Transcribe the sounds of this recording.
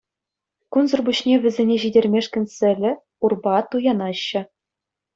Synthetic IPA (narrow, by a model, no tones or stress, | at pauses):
kunzɤ̆rbuɕnʲeʋʲɘ̆zʲenʲeʑidʲerʲmʲeʂkʲɘ̆nʲsʲɘ̆lʲɘ̆ | urbɑt̪ujɑnɑɕːɘ̆